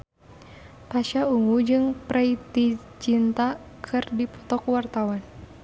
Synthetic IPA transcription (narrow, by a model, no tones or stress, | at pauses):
paʃauŋud͡ʒɨŋpɾʔait̪i | t͡ʃint̪a | kʰɨrdipɔ̥t̪ɔkwart̪awan